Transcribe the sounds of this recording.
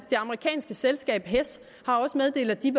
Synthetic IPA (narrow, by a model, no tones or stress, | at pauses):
d̥e̝ɑ̈məʁikʰɛ̰ːnsɡ̥əselsɡ̥ɛ̰ːb̥ɦes | hɑ̈ɒ̽səmeð̞ˠd̥e̝̰ːlð̩ˠd̥iʋ